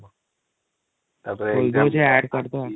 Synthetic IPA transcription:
bold̪od͡ʑeæɖkəɾt̪oa

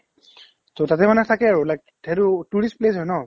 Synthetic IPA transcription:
totatɛmanɛtʰakɛaɹulajk̚ | tʰɛɾutuɹisplesɦɔjnɔ

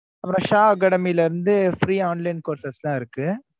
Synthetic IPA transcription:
ɐpːɯɾõːʃaːɡɐɽɐmiɪlɐɪɾɯnd̪ɯfɾiːaːnlɐɪnkoːɾsɐslãːɪɾɯkːɯ

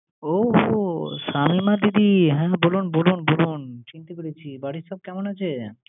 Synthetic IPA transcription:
ooʃamimad̪id̪iɦɛ̃ːbolunbolunbolunt͡ɕint̪akoɽet͡ɕʰibaɽiʃɔb̚kɛmonat͡ɕʰe

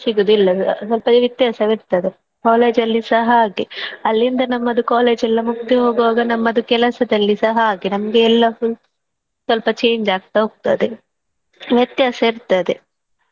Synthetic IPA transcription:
siɡud̪uilːɐsɐlpɐʋjɐt̪jaːsɐʋiɾt̪ɐd̪e | kaːle̞ːd͡ʒɐlːisɐɦɐaːɡiɐlːind̪ɐnɐmːɐd̪ukaːle̞ːd͡ʒɛlːɐmukt̪iɦoːɡɐʋaːɡɐnɐmːɐd̪ukɛlɐsɐd̪ɐlːisɐɦɐaːɡinɐmɐɡeɛlːɐful | sʋɐlpɐt͡ʃe̞ːɲd͡ʒaːɡ̚t̪ɐɦoːɡ̚t̪a̰d̪e | ʋjɐt̪jaːsɐiɾt̪ad̪e

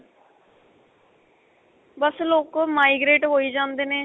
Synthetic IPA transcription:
bəsloːkmaːiɡɾeːʈɦoːiːd͡ʒãːnd̪eːneː

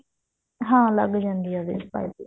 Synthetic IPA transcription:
ɦãːləɡd͡ʒãːnd̪iːaːd̪ḭspa̰ːitː

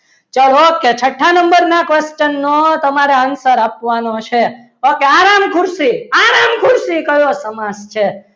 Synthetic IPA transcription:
t͡ʃəloket͡ʃʰəʈʰːanəmbəɾnakʋest͡ʃənːot̪əmaɾeansəɾapʋanot͡ʃʰe | okeaɾamkʰʊɾsiaɾamkʰʊɾsikəjosəmad͡ʒt͡ʃʰe

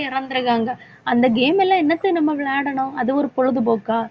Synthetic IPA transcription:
ɐɾɐnd̪ɯɾɯɣaːŋɡɐ | ɐnd̪ɐɡeːmɛlːɐ̃ːɛnːɐt̪ːɯnɐmːɐʋɪɭaːɽɐɳʊ̃ɐðɯɔɾɯpɔɻɯðɯboːkːaː

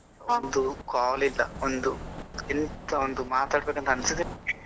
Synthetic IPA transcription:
ond̪ukaːlilːɐond̪uint̪ɐond̪umaːt̪aːɽbeːkɐnɐnisid̪i

